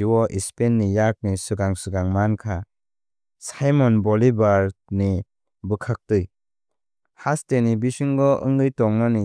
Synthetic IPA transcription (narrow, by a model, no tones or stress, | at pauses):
iwɔʔispenːijak̚nisɯɡaŋsɯɡaŋmankʰa | sajmɔnbɔlibaɾni | bɯkʰak̚tɯj | hastenibisiŋɡɔʔɯ̰ŋɡɯjtɔŋnani